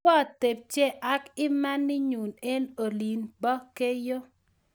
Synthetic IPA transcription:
ɔ˦t̪e˨p̚t͡ʃe˦ʔa˦kɪ˦ma˦nːɪ˦ɲu˨ne˦no˨li˨nbɔ˦ke˦jo˦

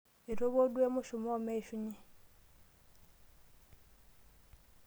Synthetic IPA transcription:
i˨ɾo˦βo˦dwe˦mu˦ʃu˨mo˦me˦i˨ʃuɲi˨

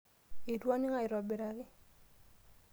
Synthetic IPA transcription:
i˨dwɔ˦nɪ˦ŋa˦˨ɪ˨ɾɔ˨be˨ɾa˨ɡɪ˦

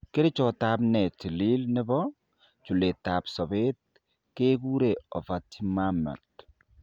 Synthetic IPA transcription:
kɪ˦ɾɪ˦t͡ʃɔ˨ta˦bnɛ˨t͡ʃi˨li˦lnɪ˦bɔ˦ | t͡ʃu˨le˨ta˨psɔ˨βe˦t̚ | ke˦ku˦ɾeɔ˨fa˨ti˦ma˦mɛ̰˨t

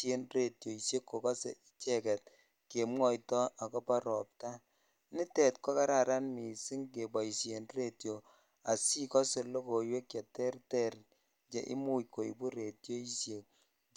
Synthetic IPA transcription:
e˦nre˨tjo˨i˨sje˦kːo˨kɔ˦sḛ˨i˦t͡ʃɛ˦˨kɛ˨t̚ | ke˨mŋɔ˦˨jtɔ˦a˨kɔ˦pa˦ɾɔ˨p̚ta˦ | nɪ˦tɛ˨tkɔ˦ka˦ɾa˨ɾa˦nmi˨si˦ŋke˨bɔ˨i˨sje˨nre˦tjo˨ | a˨si˦kɔ˦se˨lo˦ko˨jwe˦kja˨tɛ˦rtɛ˦ɾ | d͡ʒḛ˨ʔḭ˦mu˦jkːo˨ḭ˨bu˦ɾe˨tjo˦i˦sje˨k̚

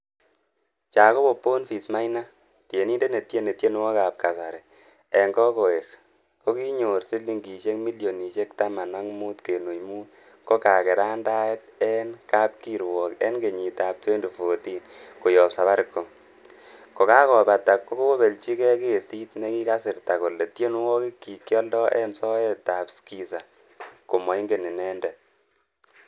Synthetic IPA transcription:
t͡ʃa˨ko˦bo˨pːo˦nfi˨sma˦jna˦ | tje˨ni˦nde˦ne˨tje˦ne˨tje˦n˦wɔ˦ka˨p̚ka˨sa˨ɾɛ˨ | ɛ˨ŋɡɔ˦ko˨e˨k | ko˦ki˦ɲo˨ɾsɪ˦lːi˦ŋɡi˨t͡ʃe˦kmi˦ljo˨ni˨t͡ʃe˦k̚ta˦ma˨nwa˦ŋmu˦tke˨nu˨jmu˦t̚ | ko˦ka˨kɛ˨ɾa˦nda˦ɛ˦t̚ɛ˦nka˦p̚ki˨ɾwɔ˨kɛ̰˦nke˨ɲi˨ta˨p̚twe˦ndo˨fo˨ti˦nko˨jɔ˨psa˨βa˦ɾɪ˨kːo˨ | ko˨ka˦kɔ˨pa˨ta˨kːo˦ko˦o˦be˨lt͡ʃi˦kɛ˦ke˨si˦t̚ne˦ki˦ka˦sɪ˨rta˨ko˨le˨tje˦n˦wɔ˦ki˦kːi˨kjɔ˦ldɔ˦ʔɛ̰˦nsɔ˦ɛ˦ta˨pski˦sa˨ | ko˨mɔ˨i˦ŋɡe˨ni˨nɛ˦ndɛ˨t̚

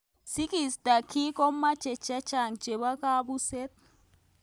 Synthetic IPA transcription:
si˦ki˨sd̥a˨kʰi˦kɔ˦mḁ˦t͡ʃɛ̥˨t͡ʃḁ˦t͡ʃa˨ŋ̥d͡ʒ̥ʱɛ˨ɓa˦ka˦ɓu˦sɛ˦t̪̚

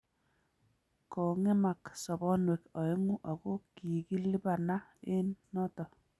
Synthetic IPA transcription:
kɔ˨ŋɛ˦ma˨ksɔ˨bɔ˦nwɛ˨kɔ˨ɪ˦ŋu˦ʔa˨ko˦ki˨ki˦li˦ba˨na˦ɪ˦nːɔ˦tɔ˨

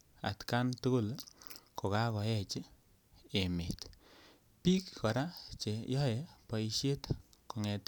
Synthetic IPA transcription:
a̰˨tka˦ntu˦ɡʊ˦lko˨ka˦kɔ˨ɛ˦t͡ʃi˦ | e˨me˨t | pi˦kkɔ˨ɾa˦t͡ʃe˨jɔ˦e˨pɔ˨i˧ʃe˦tko˨ŋɛ˨t

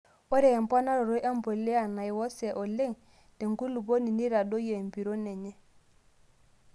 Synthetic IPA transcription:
o˦ɾɛ˨mpa˦na˦ɾo˨ɾo˦jʔa˦mbo˨le˦a˨na˨jwɔ˦sɛ˨ʔo˨le˦˨ŋ | de˨ŋɡu˦lu˨bo˦ni˨ni˦ɾa˨do˦je˨mbi˨ɾo˦ne˨ɲe˦

